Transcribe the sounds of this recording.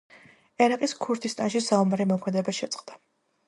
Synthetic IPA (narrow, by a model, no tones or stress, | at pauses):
ɛɾaqʼiskʰuɾt̪ʰist̪ʼanʃisaumaɾimɔkʰmɛd̪ɛbaʃɛt̪sʼqʼd̪a